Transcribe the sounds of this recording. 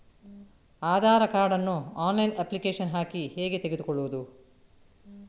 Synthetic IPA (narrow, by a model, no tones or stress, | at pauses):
aːd̪ʱaːɾɐkaːɾɖɐnːuaːnlɐjnɐplikeːʂɐnɦaːkiheːɡe̞t̪eɡe̞d̪ukɔɭːuʋud̪u